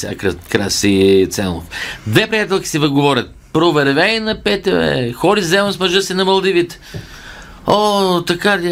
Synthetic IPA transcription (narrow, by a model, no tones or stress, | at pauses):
sʲa̰kɾakɾa̰sit̪sɛ̰nlˠo̰fd̪vɛpɾijat̪ɛlˠkʲi̥sivɐɡovɔɾʲət̪̚pɾovɛɾvɛinɐpɛt̪ɛɛ̰xɔɾizɛmnsmɐʒɤsɛnɐmɐlˠd̪ivit̪ | ot̪ɐkad̪ʲ